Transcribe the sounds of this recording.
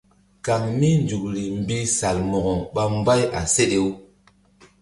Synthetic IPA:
ka˨ŋmi˦nd͡ʒu˨k̚ɾi˨m˨bi˦sa˨lmo˨ɡo˨ɓa˦m˦ba˦jʔa̰˨se˦ɗe˦wu˦

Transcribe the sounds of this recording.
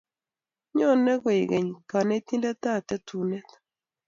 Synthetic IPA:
ɲɔ˦˨nɛ˦ɡɔ˨i˨ɡe˨ɲka˨nɛ˦t̪i˦nda˦t̪a˦˨t̪ɛ˦tu˨nɛ˦t̪

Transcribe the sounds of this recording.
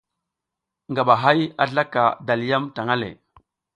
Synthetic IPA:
ŋɡa˨ɓa˨ɦa˦ja̰˨ɮa˦ka̰˨da˨lja˦mta˨ŋa˦lḛ˨

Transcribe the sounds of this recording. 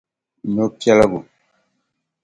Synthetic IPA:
no˦pja˦la˦ɡu˨

